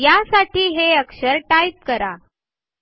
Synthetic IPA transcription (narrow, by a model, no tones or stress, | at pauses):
jasaʈiːɦeəkʂəɾʈajp̚kəɾa